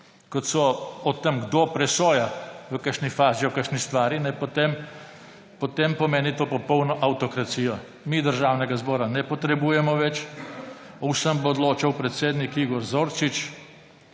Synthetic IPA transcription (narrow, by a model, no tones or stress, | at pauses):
kɔt̪sɔɔt̪ːəmɡd̪opɾɛsoːjaʋəkəʃnifaːziɔkəʃnist̪ʋaːɾinɛjpɔt̪em | pɔt̪empɔmeːnit̪oːpɔpɔwnɔʔawt̪ɔkɾat̪siːjɔ | miːd̪əɾʒawnɛɡazbɔːɾanɛpɔt̪ɾɛbuːjɛmɔʋɛt͡ʃ | ɔsəmbɔːd̪loːt͡ʃawpɾɛt̪seːd̪nikiːɡɔɾzoːɾt͡ʃit͡ʃ